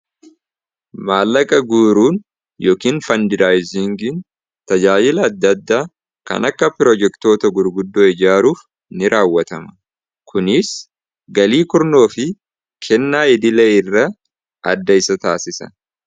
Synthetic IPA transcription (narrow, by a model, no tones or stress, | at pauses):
maːlːɐkʼɐɡuːɾuːn | joːkiːnfɐnd̪ɪɾaːjzɪŋɡɪn | t̪ɐd͡ʒaːjɪlɐːd̪ːɐd̪ːaː | kɐ̰nɐkːɐpɪɾɔd͡ʒɛkt̪o̞ːt̪ɐɡʊɾɡʊd̪ːoːɛd͡ʒaːɾuːf | nɪɾʔaːwːɐt̪ɐmɐ̥ | kʰʊnɪs | ɡɐliːkʊɾno̞ːfɪ | kʰɛnːaːɪd̪ɪlɛɪrːɐ | ɐd̪ːɐɪsɐt̪aːsɪsɐ̰